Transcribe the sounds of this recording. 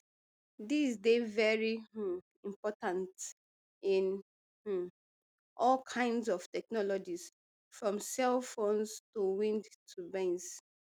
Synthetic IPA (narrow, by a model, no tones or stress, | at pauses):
disdevɛɹi | ĩmpɔtãnt | ĩn | ʔɔlkʰãɪ̃ndzɔftɛk̚nɔlɔd͡ʒis | fɹɔ̃msɛlfonstuwĩndtʰubɛ̃ns